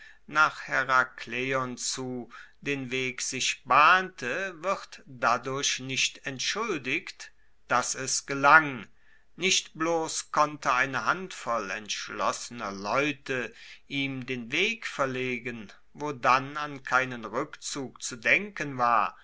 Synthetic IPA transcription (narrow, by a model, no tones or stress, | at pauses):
naːχhɛʁakleɔnt͡suːdeːnveːkz̥ɪʃb̥aːntʰəvɪʁtd̥adʊɐɕnɪçtɛntʃʊldɪkt | d̥asɛsɡ̥əlaŋ | nɪʃtb̥loːskʰɔntʰəaɪnəɦantfɔlɛ̰ntʃlɔsənɐlɔʏtʰəʔiːmdeːnveːkfɛɐleːɡən | voːdanankʰaɪnənʁʏkt͡suːkt͡sudɛŋkənvaːɐ